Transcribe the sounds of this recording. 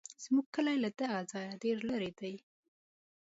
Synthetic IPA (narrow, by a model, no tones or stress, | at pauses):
z̥muɡ̚kəlajlad̪aɣazɑjaɖeɾlaɾed̪aj